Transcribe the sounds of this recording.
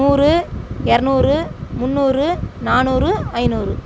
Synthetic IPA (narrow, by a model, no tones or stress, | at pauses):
uːrɯɛɾɯnuːrɯmʊnːuːrɯnaːnuːɾɯɐɪnuːrɯ